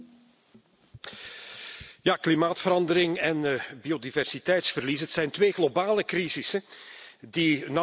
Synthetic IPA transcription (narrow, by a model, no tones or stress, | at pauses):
jaːklimaːtfəɾɑndəɾɪŋɛnbiodivɛrsitɛjtsfərlisɦətsɛjntʋeːɣlobaːləkɾizɪsədina